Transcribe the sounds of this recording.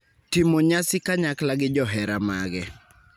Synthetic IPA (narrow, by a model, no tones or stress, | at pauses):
tɪmoɲasɪkaɲaklaɡɪd͡ʒɔɦɛɾamaɡɛ